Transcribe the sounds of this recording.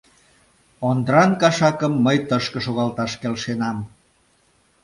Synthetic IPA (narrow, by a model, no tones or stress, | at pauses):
ond̪ɾɑnkɑʃɑkəmːəjt̪əʃkə̆ʃoɣɑlt̪ɑʃkelʃenɑm